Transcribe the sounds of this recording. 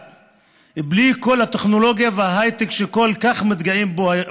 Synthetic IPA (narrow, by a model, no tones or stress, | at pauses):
bliko̞lhat̪eχnolo̞ɡjavehaɦajt̪ekʃeko̞lkaχmit̪ɡaimbo